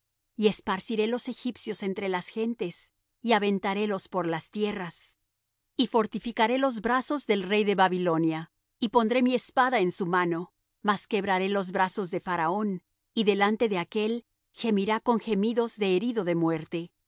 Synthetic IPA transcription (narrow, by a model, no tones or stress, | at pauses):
ie̞spaɾsiɾe̞lo̞se̞xipsjo̞se̞nt̪ɾe̞lasxe̞nt̪e̞s | iaβe̞nt̪aɾe̞lo̞spo̞ɾlast̪je̞ras | ifo̞ɾt̪ifikaɾe̞lo̞zbɾaso̞zðe̞lre̞jðe̞βaβilo̞nja | ipo̞nd̪ɾe̞mie̞spaðaensumano̞ | maske̞βɾaɾe̞lo̞zβɾaso̞zðe̞faɾao̞n | iðe̞lant̪e̞ðe̞ake̞l | xe̞miɾako̞ŋxe̞miðo̞zðe̞ːɾiðo̞ðe̞mwe̞ɾt̪e̞